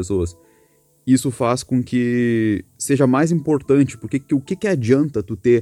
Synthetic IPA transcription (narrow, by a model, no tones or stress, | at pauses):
esoɐs | isʊfaskõkɪ | seʒɐmajzĩmpoɾt̪ɐ̃nt͡ʃɪ̥poɾkekɪʊkɪkɪad͡ʒiɐ̃nt̪ɐt̪ut̪e